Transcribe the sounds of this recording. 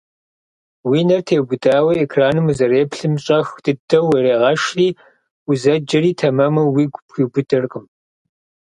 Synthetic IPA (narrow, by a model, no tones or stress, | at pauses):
wiːnɐrtʰeːwbʊdʼaːwɐekʰraːnɨmuzɐreːpɬɨmɕʼɐxd̥ɨdʰɐweɾeːʁɐʃriː | uzɐd͡ʒɐriːtʰɐmɐmɐwiːɡʷpxʷiːbʊdɐrqʼəm